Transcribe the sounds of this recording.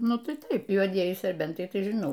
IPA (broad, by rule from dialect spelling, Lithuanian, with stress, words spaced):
ˈnʊ ˈtɐɪ ˈtɐɪp juɔˈdʲiɛjɪ sʲɛrʲˈbʲɛntɐɪ tɐɪ ʒʲɪˈnɐʊ